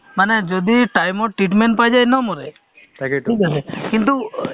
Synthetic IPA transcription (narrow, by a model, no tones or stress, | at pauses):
manɛd͡ʒɔd̪iʈajmɔʈɾiʈmɛɳʈ̚pajd͡ʒajnɔmɔɾɛ̰ | kʈʰikasɛkint̪̬u